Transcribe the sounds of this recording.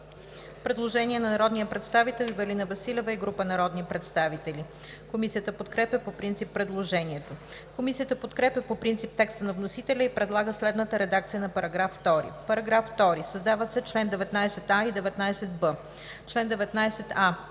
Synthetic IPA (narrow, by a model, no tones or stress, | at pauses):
pɾɛd̪lˠoʒɛnʲiɛnɐnɐɾɔd̪nijəpɾɛt̪st̪avit̪ɛlˠivɛlinɐvɐsilʲɛvəiɡɾupənɐɾɔd̪nipɾɛt̪st̪avit̪ɛli | komisijət̪əpot̪kɾɛpʲjəpopɾint̪sipːɾɛd̪lˠoʒɛniɛt̪o | komisijət̪əpot̪kɾɛpʲəpopɾint̪sip̚t̪ɛkst̪ənɐvnosit̪ɛlʲəipɾɛd̪lˠaɡəslɛd̪nət̪əɾɛd̪ak̚t̪sijənɐpɐɾɐɡɾafːt̪ɔɾḭpɐɾɐɡɾafːt̪ɔɾisɐzd̪avət̪sɛt͡ʃlɛnd̪ɛvɛt̪najsɛt̪aid̪ɛvɛt̪najsɛt̪̚bə | t͡ʃlɛnd̪ɛvɛt̪najsɛt̪a